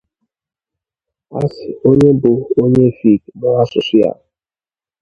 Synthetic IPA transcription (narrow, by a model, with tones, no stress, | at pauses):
a̰˦sɪ˨o˦ɲe˦bʊ˨o˦ɲe˦˨fi˦˨knɔ˦a˦sʊ˨si˦ja̰˦˨